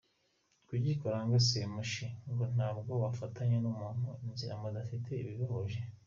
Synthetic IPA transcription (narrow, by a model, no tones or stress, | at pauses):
kuɟikoɾaŋɡosemuʃiŋɡon̥aːb̚ɡo̞βafataɲenumunoinziɾamadafitʰe̞iβiβoβoʒe